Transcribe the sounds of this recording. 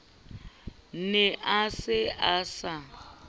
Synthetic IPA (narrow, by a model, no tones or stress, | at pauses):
nɛʔasɪʔasa